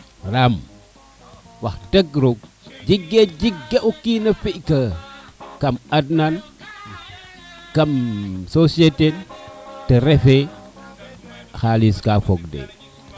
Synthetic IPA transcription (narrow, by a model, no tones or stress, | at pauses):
ɾam | wɐxdɐɡɾoɡ̚ | d͡ʒiɡːed͡ʒiɡːeʔukinɐfiʔkɐ | kɐmadnan | kɐmsosietedtːɐɾɛfe | xaliskafoɡdḛ